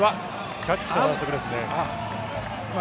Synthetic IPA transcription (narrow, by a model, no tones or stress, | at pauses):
βa | kʲat͡ɕt͡ɕːi̥kanaːsokɯ̟d̪e̞sɨne